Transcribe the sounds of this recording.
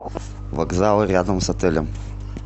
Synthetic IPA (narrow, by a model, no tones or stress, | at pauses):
vɐɡzalˠɾʲad̪əmsɐt̪ɘlʲɪm